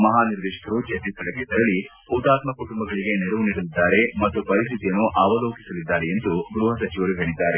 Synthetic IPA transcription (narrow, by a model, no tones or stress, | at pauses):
mɐɦaːniɾd̪iːʃɐ̥kʰɐɾut͡ʃet̪it̪ːɐɭɐkːet̪ɐɾɐɭi | ut̪aːt̪mɐkuʈumbɐɡɐɭiɡe̞neɾɐʋuniːɽɐlid̪ːaːɾe̞mɐt̪ːupɐɾist̪ʰit̪ijɐnːuʔaːʋɐloːki̥sɐlid̪ːaːɾeend̪uɡɾuːɦɐsɐt͡ʃiʋɐɾuɦe̞ːɭid̪ːaːɾe